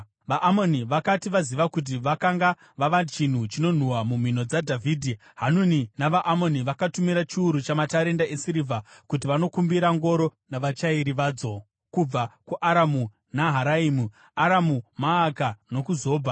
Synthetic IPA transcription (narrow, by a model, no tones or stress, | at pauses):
ʋaʔamo̞niʋakatiʋaziʋakut̬iʋakaŋɡa | ʋaʋat͡ʃin̤ut͡ʃino̞n̤uwamum̤ino̞d͡zadʱavʱiːdʱi | ɦanuninaʋaʔamo̞niʋakatumiɾat͡ʃiuɾut͡ʃamataɾe̞ndaesiɾivʱakutiʋano̞kumbiɾaŋɡo̞ɾo̞naʋat͡ʃaiɾiʋaːd͡zo̞ | kub͡vakuʔaɾamu | naɦaɾaiːmu | aɾamumaːkano̞kuzoːbʱa